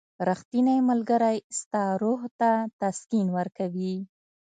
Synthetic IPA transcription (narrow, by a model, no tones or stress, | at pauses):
ɾaxt̪inajmalɡaɾajst̪ɑɾoɦt̪at̪askinwəɾkawi